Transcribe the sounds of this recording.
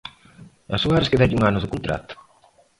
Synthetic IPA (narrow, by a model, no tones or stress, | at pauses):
a̰suaɾɪskɪd̪ɛɟuŋanʊzðɪkont̪ɾa̰t̪ʊ̥